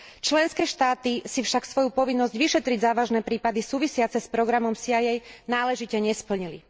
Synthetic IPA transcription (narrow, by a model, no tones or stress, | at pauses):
t͡ʃlɛnskɛːʃt̪aːt̪isifʃaksʋɔjupɔʋinːɔzɟʋiʃɛt̪ɾiɟzaːʋaʒnɛpɾiːpad̪isuːʋisɪat͡sɛspɾɔɡɾamɔmsiajɛjnaːlɛʒicɛɲɛspl̩ɲili